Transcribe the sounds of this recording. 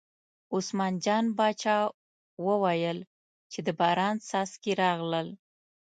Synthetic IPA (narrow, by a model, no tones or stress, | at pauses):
ʊsmɑnd͡ʒɑnbɑt͡ʃɑ | wəwajəl | t͡ʃed̪əbɑɾɑnsɑskeɾɑɣləl